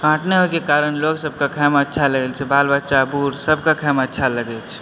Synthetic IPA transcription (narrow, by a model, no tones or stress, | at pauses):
kãːʈʰneɦoekekaːɾəñloːɡsəb̚kakʰɛːmətːʃʰaləɡelt͡ʃʰebaːlbət͡ʃabuːɾsəb̚ʱkakʰɛmətːʃʰaləɡet͡ʃʰ